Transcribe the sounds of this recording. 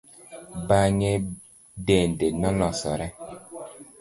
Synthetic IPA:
baɲɛ | dɛndenɔlɔ̃sɔɾɛ

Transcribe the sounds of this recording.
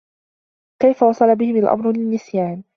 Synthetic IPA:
kajfawɑsˤɑlabɪhɪmalʔa̰mɾʊlɪnːɪsjaːn

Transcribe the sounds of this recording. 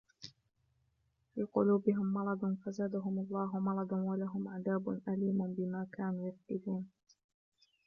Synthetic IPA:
fiːqʊluːbɪɦɪmːɑɾˤɑd̪ˤnfazaːd̪aɦʊmʊlˤːɑːɦʊmɑɾˤɑd̪ˤnwalaɦʊmʕad̪aːbʊnʔaliːmʊnbɪmaːkaːnuːjaft̪ɪluːn

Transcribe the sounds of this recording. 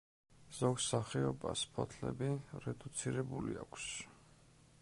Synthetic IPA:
z̥ɔɡsaχiɔbaspʰɔt̪ʰlɛ̰biɾɛd̪ut̪sʰiɾɛbuliakʰs

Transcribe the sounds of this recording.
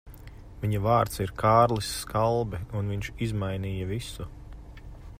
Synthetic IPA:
viɲɐvaːɾt̪siɾkʰaːɾlisːkalˠbɛunviɲʃizmajniːjɐvisu

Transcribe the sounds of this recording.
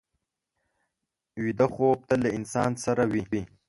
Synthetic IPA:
wid̪axob̚t̪alaɪnsɑːnsaɾawii

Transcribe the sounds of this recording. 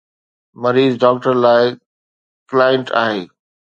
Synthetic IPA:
mɐɾiːzɖɔːk̚ʈəɾlaːɪ | klaːjə̃ɳʈa̰ːɦeː

